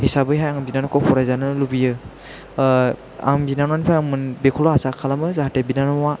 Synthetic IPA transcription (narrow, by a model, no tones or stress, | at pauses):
hisabɯjɦajaŋbinanɔkʰɔpʰɔɾajzanɯlubijɯ | a̰ŋbinanwanpʰaaŋmɯnbekʰɔlɔasakʰːalamɯzaɦatebinanɔwa